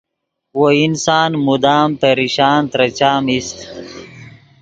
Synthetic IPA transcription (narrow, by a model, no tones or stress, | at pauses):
woinsaːnmud̪aːmpeɾiɕaːnt̪ɾɐt͡ɕaːmist̪